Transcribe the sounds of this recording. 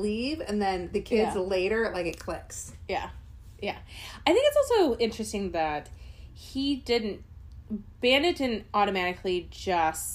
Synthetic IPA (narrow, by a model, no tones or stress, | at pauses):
livɨ̰̃nðɨ̃nðɨkʰɪzleɪɾə˞laɪkɨt̚kʰl̥ɪksjæ̰ | jæ̰aɪθɪ̃ŋkɨtsɔlˠsoʊɪ̃nt͡ʃɹ̥ɨstɪ̃ŋðɨt̚ | hidɪdⁿn̩t̚ | b̥æ̃nɨdɪ̃dⁿn̩tɔɾɨmæɾɨkʰlid͡ʒʌst